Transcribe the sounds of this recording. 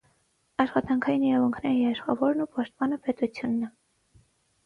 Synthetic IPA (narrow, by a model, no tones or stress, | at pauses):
ɑʃχɑt̪ɑŋkʰɑjiniɾɑvuŋkʰnɛɾijɛɾəʃχɑ̰vɔɾnupɑʃt̪̚pɑnəpɛt̪ut͡sʰjunːɛ